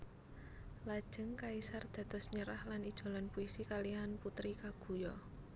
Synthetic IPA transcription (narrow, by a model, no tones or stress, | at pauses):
lad̥ʒ̥ə̤ŋkaisard̪̥ä̤d̪̥ɔ̤sɲəɾahlanid̥ʒ̥o̤lɔnpuisikalianput̪ɾikaɡ̥ṳjɔ